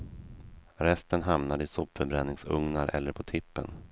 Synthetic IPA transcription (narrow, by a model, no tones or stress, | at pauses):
ɾɛst̪ənɦamnad̪ɪsɔpfœɾbɾɛnːɪŋsɵ̰ŋnaɾʔɛ̰lːəɾpʰɔt̪ʰɪpːə̰n